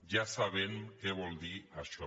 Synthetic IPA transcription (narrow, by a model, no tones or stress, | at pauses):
ʒasaβ̞eŋkeβold̪iaʃo